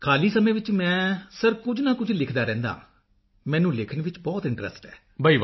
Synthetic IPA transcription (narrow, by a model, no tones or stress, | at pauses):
kʰaːliːsəmẽːʋɪt͡ʃmɛ̃ːsəɾkʊd͡ʒnãːkʊd͡ʒlɪkʰd̪aːɾɛ̃ːnd̪a̰ː | mɛ̃ːnũːlɪkʰəɳʋɪt͡ʃbɔːt̪ɪ̃ɳʈɾə̰sʈɛː | bʱəiːʋ